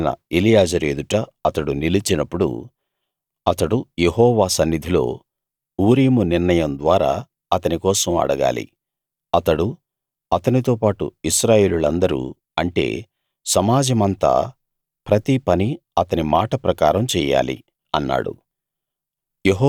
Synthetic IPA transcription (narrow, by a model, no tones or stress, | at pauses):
nɐ̰elijaːd͡ʒɐɾeːd̪uʈɐɐt̪ɐɽunilit͡ʃinɐpːuɽṵ | ɐt̪ɐɽuje̞ɦɔːʋaːsɐnːid̪ʱilo̞̰ː | uːɾiːmuniɾɳɐjɐnd̪ʋaːɾa̰ː | ɐt̪ɐnikɔːsɐmɐ̰ɽɐɡa̰ːlḭ | ɐt̪ɐɽu | ɐt̪ɐnit̪o̞ːpaːʈṵiʃɾaːje̞ːlulɐnd̪ɐɾṵ | ɐɳʈe̞̰ː | sɐmaːd͡ʒɐmɐnt̪a̰ː | pɾɐt̪ipɐni | ɐt̪ɐnimaːʈɐpɾɐkaːɾɐmt͡ʃɛːja̰ːlḭ | ɐnːa̰ːɽṵ | jeɦɔ